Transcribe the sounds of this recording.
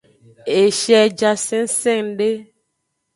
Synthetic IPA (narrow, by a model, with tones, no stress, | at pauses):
e˨ʃɛ˨d͡ʒa˨sɛ̃˦n̩˦sɛ̃˦˨ŋɖe˦